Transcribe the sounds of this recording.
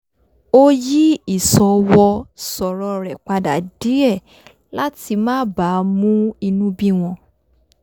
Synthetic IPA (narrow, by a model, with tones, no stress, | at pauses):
o˦ji˦i˦˨sɔ˨wɔ˧sɔ˨ɾɔ˧ɾɛ˨k͡pa˧da˨˦di˦ɛ˦˨ | la˦ti˧mãː˦ba˨˦mũ˦i˧nũ˦bi˦w̃ɔ̃˧